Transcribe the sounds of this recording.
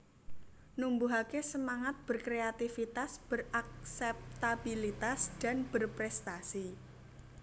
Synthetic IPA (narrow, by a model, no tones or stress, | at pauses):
numbuɦakesəmaŋat̪̚b̥ərkɾeat̪ifit̪asb̥ərak̚sɛp̚t̪abilit̪asd̥a̤nb̥ərpɾɛst̪asi